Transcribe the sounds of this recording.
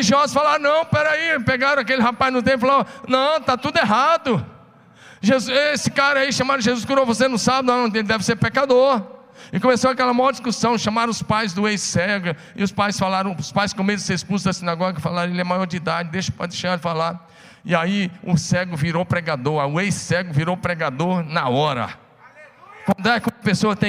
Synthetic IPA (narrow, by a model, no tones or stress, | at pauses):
iʒiɔzʊsfalaɾ̃nɐ̃w̃pɛɾaipeɡaɾɐ̃ak̬elɪɦapaznʊt̪̬ẽpʊfalanɐ̃w̃t̪at̪ud̪ʊeɦad̪ʊ | ʒezuesɪkaɾɐaiʃɐ̃maɾɐ̃ʒezuskuɾovosenɐ̃w̃sabñnɐ̃eelɪd̪ɛvɪseɾpekad̪oɾ | ɪkõmesoakɛlɐmaɔɾd͡ʒiskusɐ̃w̃ʃɐ̃maɾɐ̃ʊspajzd̪ʊejsɛɡʊ | ɪ̰ʊspajsfalaɾɐ̃w̃ʊspajskõmed̪ʊseɾispuzʊzd̪ɐsinaɡɔɡɐɪfalaɾɐ̃elɪɛmajɔɾd͡ʒɪid̪ad͡ʒɪd̪eʃɐ̥pa̰d̪eʃead͡ʒɪfalaɾ | ɪaiʊsɛɡʊviɾopɾɛɡad̪oɾaʊejsːɛɡʊviɾowpɾɛɡad̪oɾnaɔɾɐ̰ | kɐ̃nd̪ʊɛkõɐpesoɐt̪ẽ